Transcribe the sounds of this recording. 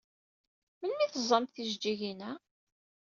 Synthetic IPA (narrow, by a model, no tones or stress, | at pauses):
mənmiθəzˤːɑmt̪θiʒd͡ʒiʝinæ